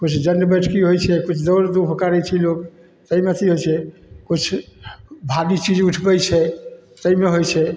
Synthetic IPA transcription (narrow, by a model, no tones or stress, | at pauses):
kut͡ʃʰd͡ʒənɖbəʈʰkiɦojt͡ʃʰɛkut͡ʃʰd̪ɔɾd̪upʰkaɾɛt͡ʃʰɛlok | t̪əimet̪ʰiɦojt͡ʃʰɛkut͡ʃʰ | bʱadit͡ʃid͡ʒuʈʰbɛt͡ʃʰɛt̪əimeɦojt͡ʃʰɛ